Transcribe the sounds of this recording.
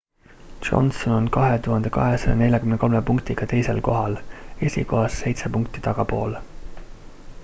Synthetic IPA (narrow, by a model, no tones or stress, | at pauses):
d̥ʒ̥o̞̰nsono̞nkɑɦe̞t̪uɦɑnd̪̥e̞kɑɦe̞sɑjɑ̰ne̞lʲjɑkymne̞ko̞lme̞puŋkt̪iɡ̥ɑt̪e̞jse̞lko̞ɦɑle̞sʲḭko̞ɦɑsːe̞jt̪sepuŋk̚t̪it̪ɑɡ̥ɑpo̞̰ːl